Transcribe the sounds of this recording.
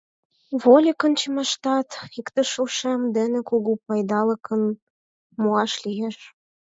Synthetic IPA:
βolʲikənt͡ɕemɑʃt̪ɑt̪ikt̪ə̆ʃuʃemd̪enekuɣupɑjd̪ɑlə̆kʰən | muɑʃlijeʃ

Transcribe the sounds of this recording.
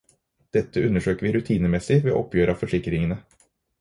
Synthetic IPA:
d̪̥ɛt̪ːəʉnəʂøːkəɾʋɪːɾʉt̪ʰiːnəmɛsɪʋḛːʔɔpjøːɾəɑːfɔʂɪkɾɪŋənə

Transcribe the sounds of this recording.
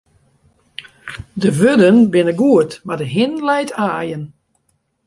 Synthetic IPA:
dəʋødənbɪnəɡuətmardəɦɪnlɛjtʰaːjən

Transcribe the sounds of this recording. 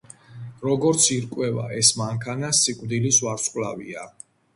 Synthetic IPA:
ɾɔɡɔɾt̪sʰiɾkʼwɛva̰ɛsmaŋkʰanasikʼvd̪ilisvwaɾsʼqʼla̰vḭa

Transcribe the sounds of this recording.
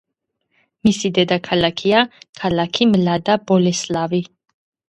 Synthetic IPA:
misid̪ɛd̪akʰalakʰiakʰalakʰimlad̪abɔlɛslavi

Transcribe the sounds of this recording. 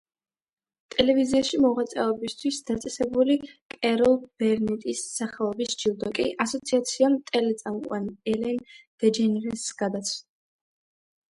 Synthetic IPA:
t̪ʼɛlɛviziaʃimɔʁat̪sʼɛɔbist̪ʰwisd̪at̪sʼɛsɛbulikʼɛɾɔlˠb̥ɛɾnɛt̪ʼisːaχɛlˠɔbisd͡ʒilˠd̪ɔkʼḭʔasɔt̪sʰiat̪sʰiamt̪ʼɛlɛt̪sʼamqʼwa̰niɛlɛnd̪̥ɛd͡ʒɛnɾɛsɡ̥ad̪at̪sʰ

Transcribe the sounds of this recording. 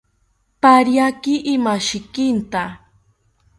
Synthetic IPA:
paɾjakɪʔɪmaʃɪkɪnt̪a

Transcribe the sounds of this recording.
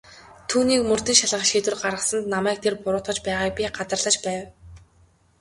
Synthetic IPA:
t̪ʰuːniːkmɵr̥t̪ɘ̆ŋʃaɮʁə̆χʃiːt̪wɘ̆rɢaɾʁə̆sə̆nt̪namæːk̚t̪ʰerpʊɾʊːt̪χə̆t͡ɕpæːʁaːk̚pʲiɢat͡sə̆rɮə̆t͡ɕpæːw

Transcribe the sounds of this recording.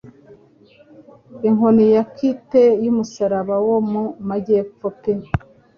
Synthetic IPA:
iŋonijakitejumusaɾaβawomumaɟep͡fope

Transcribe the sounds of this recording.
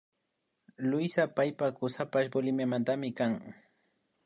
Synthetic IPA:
lʊjsapajpakʊsapaʃbolɪmjamant̪amɪkaŋ

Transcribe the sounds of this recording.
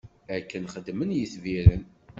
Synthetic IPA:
ækːənχəd̪ːmənjiθviɾən

